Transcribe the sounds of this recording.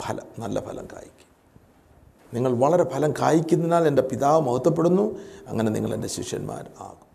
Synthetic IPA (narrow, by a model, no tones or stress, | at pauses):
pʰɐlɐ̰mnɐlːɐ̰pʰɐlɐ̰mka̰ːjikʲːu̥m | niŋːɐɭʋɐɭɐɾe̞pʰɐlɐmkaːjikʲːunːinaːle̞nde̞piðaːʋɐmɐhut̪ːɐp̬ːe̞ɽunːuɐŋːɐnenḭŋːɐ̰ɭe̞̰nde̞ɕḭkʂjɐ̰nma̰ːɾa̰ːɣum